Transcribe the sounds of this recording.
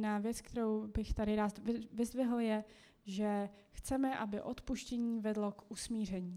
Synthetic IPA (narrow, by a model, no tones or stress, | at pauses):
naːvjɛt͡sk̚t̪ɛɾowbɪxt̪adɪɾaːt̪vɪvɪzvɪɦl̩jɛ | ʒɛ | xt͡sɛmɛʔabɪʔo̞t̪puʃcɛɲiːvɛdlo̞kʔusmiːr̝ɛɲiː